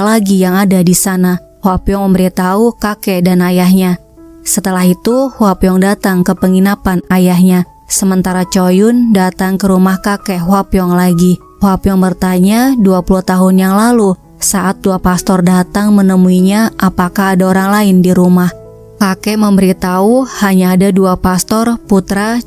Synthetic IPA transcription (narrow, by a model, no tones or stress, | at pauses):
laɡijaŋadadisana | hwapiɔŋməmbəɾit̪aukakɛdanajahɲa | sət̪əlaɦit̪uhwapiɔŋdat̪aŋkəpəŋinapanajaɦɲa | səmənt̪aɾat͡ʃojʊndat̪aŋkəɾumahkakɛɦwapjɔŋlaɡi | hwapjɔŋbərt̪aɲaduapuluht̪aɦʊnjaŋlalu | saʔat̪̚duapast̪ɔrdat̪aŋmənəmuiɲaʔapakaɦːdaoɾaŋlaɪndiɾumah | kakɛməmbəɾit̪auhaɲaːdaduapast̪ɔrput̪ɾa